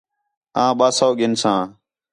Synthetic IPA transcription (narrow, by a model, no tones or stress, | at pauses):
ãːɓaːsoːɡɪnsãː